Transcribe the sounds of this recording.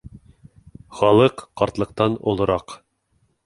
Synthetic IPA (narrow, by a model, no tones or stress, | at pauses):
χɑlˠɤqːɑɾt̪lˠɤ̆q̚t̪ɑnŏ̰lˠɤ̆ɾɑq